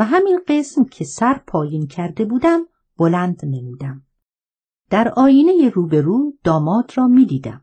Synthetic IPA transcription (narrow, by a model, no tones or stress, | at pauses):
væɦæminɢe̞smcʰesæɾpʰɒːjiːncʰæɾd̪e̞buːd̪æm | b̥olænd̪ne̞muːd̪æm | d̪̥æɾɒːjiːne̞jeɾuːbe̞ɾuːd̪̥ɒːmɒːd̪ɾɒːmiːd̪iːd̪æ̰m